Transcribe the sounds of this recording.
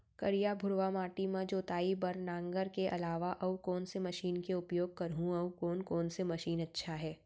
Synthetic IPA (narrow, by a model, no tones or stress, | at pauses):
kɐɾijabʱʊɾʋamaːʈimãd͡ʒoːt̪aːibɐɾnãːŋɡəɾkeʔɐ̰laːʋaʔɐwkɔːnsemɐʃiːnkeʊpjoːɡ̚kɐɾɦũɐʋkɔːnkɔːnsemɐʃiːnɐtːʃʰaɦɛː